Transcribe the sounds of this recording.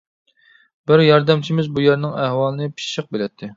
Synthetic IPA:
bɪɾjɑɾd̪ɛmt͡ʃʰimɪzbujɛɾnɨŋæhwɑlˠɨnɨpʰi̥ʃʃɨq̚belɛt̪ʰːɪ

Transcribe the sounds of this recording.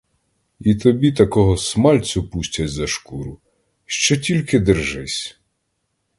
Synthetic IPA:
it̪ɔbʲit̪ɐkɔɦɔsmɑlʲt͡sʲʊpusʲtʲɐt͡sʲzɐʃkuɾʊ | ʃt͡ʃɔtʲilʲkɪd̪ɪrʒɪsʲ

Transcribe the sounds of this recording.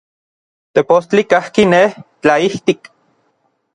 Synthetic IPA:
t̪epost͡ɬikahkineht͡ɬaiht̪ik

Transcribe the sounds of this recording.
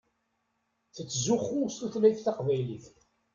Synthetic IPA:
θət͡sːzʊχːʊst̪uθlæjθθɑqvæjliθ

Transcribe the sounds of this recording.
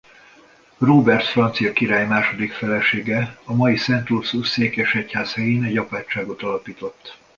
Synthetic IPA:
roːbɛrt̪frɒnt̪sijɒkiɾaːjmaːʃo̞d̪ikfɛlɛʃeːɡɛɒmɒjisɛnt̪ursuseːkɛʃɛchaːshɛjeːnɛɟɒpaːt͡ʃːaːɡo̞t̪ɒlɒpiːt̪o̞t̪ː

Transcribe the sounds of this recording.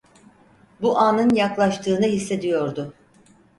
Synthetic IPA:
buʔanɯnjaklˠaʃt̪ʰɯːnɯɦisːe̞d̪ijo̞ɾd̪ʊ

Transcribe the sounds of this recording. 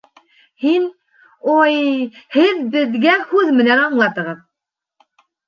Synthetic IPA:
hin | ojhɪðbɪðɡʲɛhʉzmɪnɛnɑŋlˠɑt̪əʁəð

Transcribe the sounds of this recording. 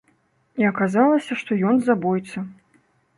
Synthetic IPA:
iɐkazalˠɐsʲɐʂt̪ɔjɔnzabɔjt̪sɐ

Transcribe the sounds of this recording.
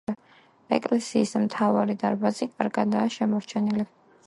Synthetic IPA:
ɛ̰kʼlɛsiːsmt̪ʰavaɾid̪aɾbazikʼaɾɡad̪aːʃɛmɔɾt͡ʃʰɛnili

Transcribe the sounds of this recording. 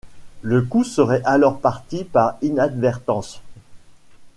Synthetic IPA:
ləkusəʁɛʔalɔʁpaʁt̪ipaʁinad̪vɛʁt̪ɑ̃s

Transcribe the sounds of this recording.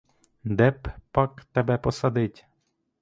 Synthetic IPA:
d̪ɛppɑkt̪ɛbɛpɔsɐd̪ɪtʲ

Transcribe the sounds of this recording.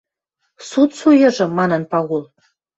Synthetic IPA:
sut̪sujə̆ʐɤ̆mːɑnənpɑɣulˠ

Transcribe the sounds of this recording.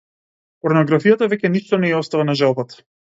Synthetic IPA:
pɔɾnɔɡɾafijat̪avɛcʲɛniʃt̪ɔnɛɛɔst̪avanaʒalˠbat̪ḁ

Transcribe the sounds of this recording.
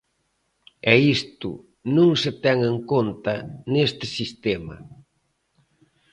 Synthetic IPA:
ɛist̪ʊ̰ | nũŋsɪt̪ɛŋeŋkont̪ɐnest̪ɪsist̪emɐ̰

